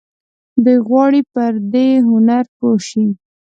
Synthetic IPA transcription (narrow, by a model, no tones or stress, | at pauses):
d̪əɣwɑɽipəɾd̪eɦʊnaɾpoʃi